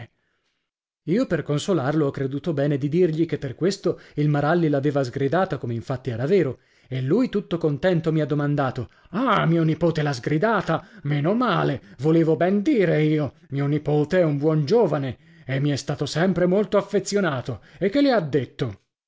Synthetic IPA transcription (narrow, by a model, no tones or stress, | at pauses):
iːoperkonsolarloɔkːɾed̪uːt̪obɛːned̪id̪irʎikepːerkwest̪oilmaɾalːilaveːvazɡɾid̪aːt̪akomeiɱfat̪ːiɛːɾaveːɾo | elːujt̪ut̪ːokont̪ɛnt̪omiad̪ːomand̪aːt̪o | amiːonipoːt̪elazɡɾid̪aːt̪ameːnomaːlevoleːvobɛnd̪iːɾeiːo | miːonipoːt̪eɛumbwɔnd͡ʒoːvane | emːiɛst̪aːt̪osɛmpɾemolt̪oafːet̪sːjonaːt̪oekːelead̪ːet̪ːo